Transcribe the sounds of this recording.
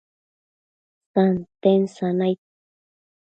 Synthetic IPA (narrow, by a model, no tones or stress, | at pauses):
sant̪ensanajt̪̚